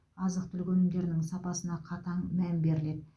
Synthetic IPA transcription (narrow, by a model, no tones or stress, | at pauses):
ɑzəq̚t̪ʰʏlkʲɵnɪŋd̪ʲe̞ɾnɪŋsɑpɑsənɑqʰɑt̪ɑɴmæmbe̞ɾɪle̞d̪